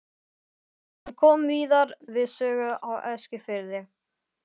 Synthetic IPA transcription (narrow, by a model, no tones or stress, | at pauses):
hankʰɔːmviːðaɾvɪðsœːɣʏʔawɛ̰scɪfɪɾðɪ